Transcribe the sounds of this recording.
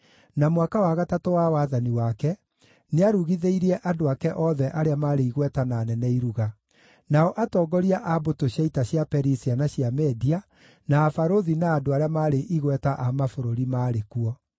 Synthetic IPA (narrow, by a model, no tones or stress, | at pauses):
namwakawaɣatatowawaːðaniwakɛ | neaɾuɣiðeiɾiɛʔadoakɛʔɔðɛʔaɾeamaːɾeiɣwɛtanaːnɛnɛiɾuɣa | naɔʔatɔːɡɔɾiaʔabotoɕjaitaɕjapɛɾisianaɕjamɛdia | naːfaɾoðinaːdoaɾeamaːɾeʔiɣwɛtaʔamafoɾoɾimaːɾekuɔ